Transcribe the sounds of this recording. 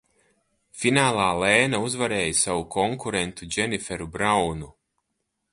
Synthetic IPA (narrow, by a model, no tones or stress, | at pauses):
finaːlˠaːlɛːnauzvaɾɛːjsavukʰɔŋkuɾɛnt̪ud͡ʒʲɛnifɛɾubɾawnu